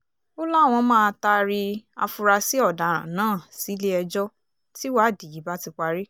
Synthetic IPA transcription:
o˦la˦˨w̃ɔ̃˧mãː˦˧ta˧ɾi˧a̰˧fu˧ɾa˧si˦ɔ˦˨da˨ɾã̰˨nãː˦˨si˨˦le˦ɛ˧d͡ʒɔ˦ | ti˦wa˦˨di˨ji˨˦ba˦ti˧k͡pa˧ɾi˦

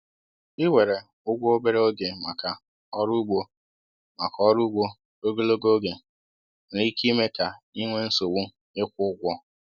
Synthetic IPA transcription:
ɪ˦we˨ɾe˨ | ʊ˦ɡʷo˦o˦be˦ɾe˦o˦ɡe˨ma˨ka˨ | ɔ˦ɾu˦ɡ͡bo˦ | ma̰˨kɔ˦ɾu˦ɡ͡bo˦ | o˦ɡo˦lo˦ɡo˦o˦ɡe˨ | li˦ki˦me˦ka˨i˦ŋʷe˦n̩˦so˨wu˦ | ɪ˦kʷʊ˦ʊ˦ɡʷɔ˦

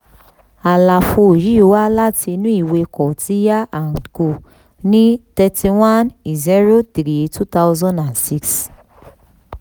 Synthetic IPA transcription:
a˨la˨fo˧o˨ɾi˦o˧wa˦la˦ti˧nũ˦i˦˨we˧kɔ˨ti˨˦ja˦ã˨n˨ko˨ | nĩ˦tɛ˧ti˧wã˦ni˨zi˦ɾo˦tɾi˨˦tu˦ta˦ʊzɔ̃˦ndã˨nsi˦ks

